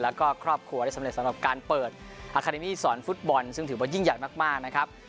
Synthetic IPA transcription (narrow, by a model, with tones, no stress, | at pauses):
lɛː˦˥wkɔː˥˩kʰɾɔː˥˩p̚kʰlu˧əɾaː˥˩jsa˦me˨t̪̚sa˦mɾa˨˩p̚kaː˧npɤː˨˩t̪̚ | ʔaː˧˩kʰaː˧de˧miː˥˩sɔː˩˦nfu˦˥t̪̚bɔ˧nsɯ˥˩ŋt̪ɯː˩˦bɔː˧˩ji˥˩ŋja˨˩jmaː˥˩k̚maː˥˩k̚na˦˥kʰa˦˥p̚